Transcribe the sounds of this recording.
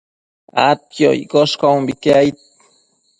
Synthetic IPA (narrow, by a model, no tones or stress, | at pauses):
a̰t̪̚jo̰jkoskawmbikajt̪̚